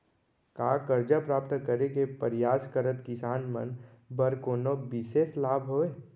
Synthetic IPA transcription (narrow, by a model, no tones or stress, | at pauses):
kaːkəɾd͡ʒapɾaːp̚t̪kəɾekepəɾɪjaːskəɾət̪kɪsaːnmə̰nbəɾkoːnobɪseːslaːbʱɦoːeː